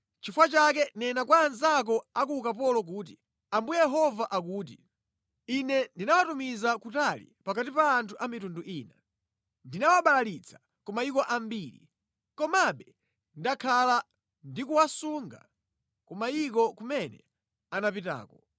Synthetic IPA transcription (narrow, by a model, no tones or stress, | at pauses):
t͡ʃifwat͡ʃakɛnɛnakwaːnzak̬ɔak̬ukap̬ɔlɔk̬uːt̬i | ambujɛɦɔvaʔakuːt̬i | inɛndinawatumizakutalḭpakatipaːntʰuʔamitunduʔiːna | ndinawaɓalalit͡sʰḁ | kɔmaikɔʔambiːɾḭ | kɔmaɓɛ | ndakʰala | ndikuwasuŋɡa̰ | kɔmaik̬ɔkumɛnɛ̰ | anapita̰ːkɔ